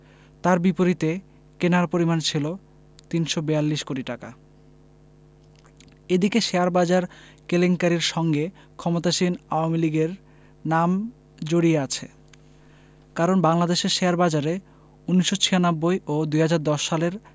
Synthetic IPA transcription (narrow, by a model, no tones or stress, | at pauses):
t̪aɾbipoɾit̪e | kenaɾpoɾimant͡ɕʰilo | t̪inʃobealːiʃkoʈiʈaka | ed̪ikeʃeaɾbad͡ʑaɾ | keleŋkaɾiɾʃɔŋɡe | kʰɔmot̪aʃinaoamiliɡeɾ | nam | d͡ʑoɽieat͡ɕʰḛ | kaɾonbaŋlad̪eʃeɾʃeaɾbad͡ʑaɾe | unːiʃːot͡ɕʰianabːojʔod̪ujɦad͡ʑaɾd̪ɔʃːaleɾ